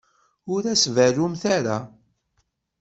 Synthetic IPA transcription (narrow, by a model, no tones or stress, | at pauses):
ʊɾæsvæɾumθaɾa